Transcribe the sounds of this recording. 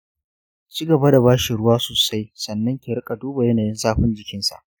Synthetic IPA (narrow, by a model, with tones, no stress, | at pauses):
t͡ʃiː˦ɡɐ˨ba˦da˨βaː˦ʃi˨ɽʊ˦waː˦soː˨sa˦jsɐ˨nːɐ˦ŋkʲe˨ɾɪ˦kʼa˨duː˦ba˨jɐ˦naː˨jɪ˦nsaː˦ɸʊ˦nd͡ʒɪ˨kʲɪ˦nsa̰˨ʔ